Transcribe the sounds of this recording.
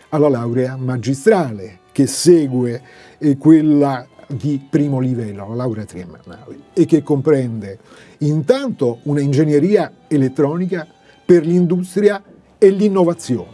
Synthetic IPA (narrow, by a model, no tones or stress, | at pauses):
alalawɾeamad͡ʒist̪ɾaːlek̟esːɛːɡwe | kwelːad̪ipɾiːmolivɛlːoalalawɾeat̪ɾiamːa̰nːa̰ːleekːekːompɾɛnd̪e | int̪ant̪ounaind͡ʒenjeɾiːa | elet̪ːɾɔːnika | perlind̪ust̪ɾja | elːinːovat̪sːjoːn